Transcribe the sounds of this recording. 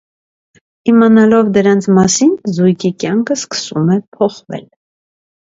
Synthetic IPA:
imɑnɑlɔvd̪əɾɑnt͡sʰmɑsinzujkʰikjɑŋkʰəskə̥sumɛpʰɔχvɛ̰l

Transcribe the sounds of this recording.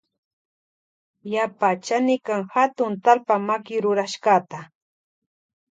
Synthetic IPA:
japat͡ʃanɪkaŋhat̪ʊnt̪alpamakɪɾʊɾaʃɢat̪a

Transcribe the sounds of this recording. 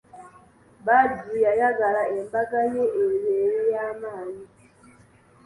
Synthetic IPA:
badijajaɡalaɛmbakajeʔejejjamali

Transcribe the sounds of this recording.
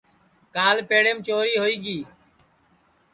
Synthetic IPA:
kaːlpeːɽeːmt͡ʃoːɾiːɦoːiːɡiː

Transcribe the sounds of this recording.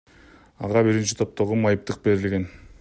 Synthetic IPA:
ɑʁɑbiɾint͡ʃi̥t̪ʰo̞p̚t̪o̞ʁumɑjɯp̚t̪ɯq̚be̞ɾɪlɡʲe̞n

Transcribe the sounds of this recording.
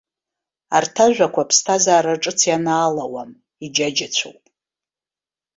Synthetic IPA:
artʰaʒᶣʷakʷʰapʰstʰazaːɾaʈ͡ʂʼɨt͡sʰjanaːlawam | id͡ʒad͡ʒat͡ɕʷʰo̰wpʼ

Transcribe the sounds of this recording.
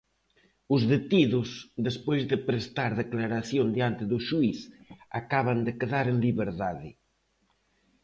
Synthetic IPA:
ʊzðet̪iðʊsðespojzðɪpɾest̪aɾðeklaɾaθjond̪iant̪ɪðʊʃuiθakaβand̪ekeðaɾeŋliβeɾðaðɪ

